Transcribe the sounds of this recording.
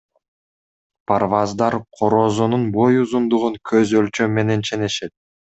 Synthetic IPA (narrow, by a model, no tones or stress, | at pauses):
pʰarvɑzd̪ɑɾqʰo̞ɾo̞ːzununbo̞juzund̪uʁuŋkʰøzølt͡ʃø̞mːe̞ne̞nt͡ʃʰe̞ne̞ʃe̞t̪̚